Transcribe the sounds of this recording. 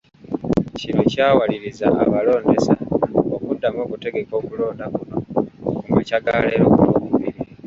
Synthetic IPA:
cinocaːwaliɾiza̰aβalo̞ːnde̞saokudːamo̞ːkute̞ɡe̞ko̞ːkulo̞ːndakuno̞kumwecaɡaleɾokulokuβiɾi

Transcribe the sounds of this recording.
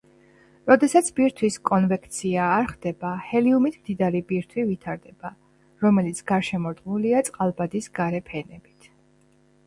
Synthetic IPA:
ɾɔd̪ɛsat̪sʰbiɾt̪ʰwiskʼɔnvɛkt̪sʰiaːɾχd̪̥ɛbahɛliumit̪ʰmd̪id̪aɾibiɾt̪ʰwivit̪ʰaɾd̪ɛb̥a | ɾɔmɛlit̪sʰɡ̥aɾʃɛmɔɾd̪ʁmuliat̪sʼqʼalˠbad̪isɡaɾɛpʰɛnɛb̥it̪ʰ

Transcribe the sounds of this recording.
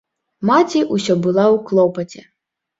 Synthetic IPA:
mat͡sʲiʔusʲɔbɨlˠawklˠɔpɐt͡sʲɛ

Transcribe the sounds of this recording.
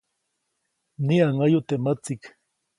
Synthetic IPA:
niaŋajʊt̪emat͡sɪk

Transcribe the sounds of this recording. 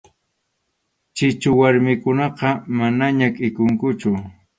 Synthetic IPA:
t͡ʃɪt͡ʃʊwaɾmɪkʊnɑqɑmanaɲakʼɪkʊŋkʊt͡ʃʊ

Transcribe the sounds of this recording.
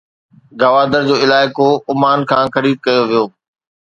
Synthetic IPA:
ɡɐʋaːd̪əɾd͡ʑoːɪlaːɪkoʊmaːnkʰãːxɐɾiːd̪̚kɐjoʋijoː

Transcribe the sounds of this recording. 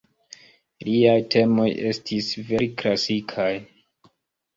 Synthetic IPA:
liajtʰe̞mo̞je̞stʰisve̞ɾiklasikʰaj

